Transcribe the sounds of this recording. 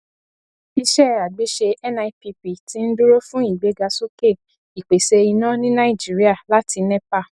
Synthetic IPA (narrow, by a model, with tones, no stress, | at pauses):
i˧ʃɛ˦˨a˨ɡ͡be˨˦ʃe˧ɛ˦nã˧i˧˦pi˧pi˨ti˦n̩˦du˦ɾo˦fũ˦i˦˨ɡ͡be˨˦ɡa˧so˦ke˦˨ | i˨k͡pe˨se˧i˧nã˦nĩ˦nã˦i˦˨d͡ʒi˨˦ɾi˦a˦˨la˦ti˧nɛ˦pa˦˨